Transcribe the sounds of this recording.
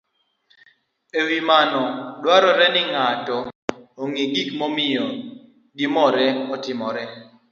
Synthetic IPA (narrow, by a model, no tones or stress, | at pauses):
ewimanɔdwaɾɔɾɛnɪŋatɔoŋiɡikmɔmɪjɔ | ɡɪmɔɾɛɔtɪmɔɾɛ